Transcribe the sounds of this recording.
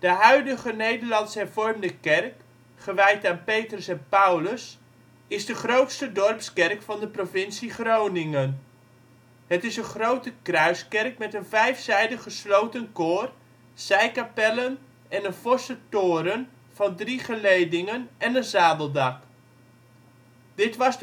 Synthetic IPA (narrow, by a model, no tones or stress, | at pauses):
d̥əɦœɥdəɣənejdərlɑntshɛrvɔrmdəkɛrk | χəʋɛjtaːnpejtrəsɛnpawləs | ɪzdəχrowtstədɔrpskɛrkfɑndəprofɪnsiχrownɪŋən | hətɪsəχrowtəkrœɥskɛrk̚mɛtənvɛjfsɛjdəχəslowtənkoːr | sɛjkapɛlən | ɛnənfɔsətʊːɾən | vɑndriχəlejdɪŋənɛnənzaːbəlˠdɑk | d̥ɪtʋɑs